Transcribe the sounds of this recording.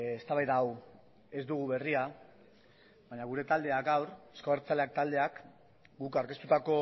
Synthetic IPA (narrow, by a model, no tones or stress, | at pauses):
est̪aβajðaːw | e̞zd̪uɣ̞uβe̞ria | βaɲaɣ̞uɾe̞t̪ald̪e̞aɡawɾeskoeɾt͡sale̞ak̚t̪ald̪e̞ak | ɡukaɾkest̪ut̪ako̞